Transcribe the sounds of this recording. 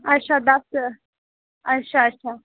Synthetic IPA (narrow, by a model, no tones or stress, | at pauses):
aʃad̪at̪ə | aʃaːʃa